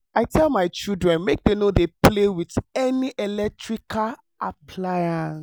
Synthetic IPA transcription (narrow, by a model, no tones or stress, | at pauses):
aɪtʰɛlˠmaɪt͡ʃildɹɛ̃nmek̚denoðeplewiðɛniʔɛlɛk̚tɹikʰal | apʰlaɪãns